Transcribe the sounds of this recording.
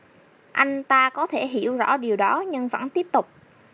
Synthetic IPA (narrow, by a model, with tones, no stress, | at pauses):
ʔa˧jŋ̟t̪aː˧kɔ˨˦t̪ʰe˧˩ɦḭ˧˩əwzɔ̰˧˥ɗi˨˩əwɗɔ˨˦ɲɨ˧ŋvə̰˧˩nt̪i˦˥əp̚t̪ʊ˨˩k͡p̚